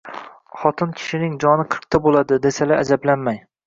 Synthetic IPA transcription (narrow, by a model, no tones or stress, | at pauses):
χɒt̪ʰɪnkʲʰɪ̥ʃɪnɪŋd͡ʒɒnɪqʰɨɾq̚t̪ʰabolˠad̪ɪd̪e̞salaad͡ʒablanmaj